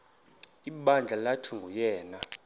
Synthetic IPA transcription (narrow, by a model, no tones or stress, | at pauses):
iɓand͡ɮʱalatʰuŋɡʱujɛːna